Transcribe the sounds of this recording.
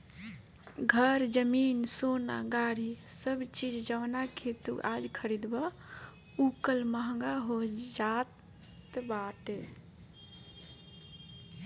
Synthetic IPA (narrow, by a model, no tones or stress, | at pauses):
ɡʱəɾd͡ʒəminsona̰ɡaɾisəbt͡ʃid͡ʒd͡ʒəʋnakʰet̪ṵkad͡ʒkʰəɾid̪ba | ukəlməɦəŋɡaɦod͡ʒat̪ | baʈ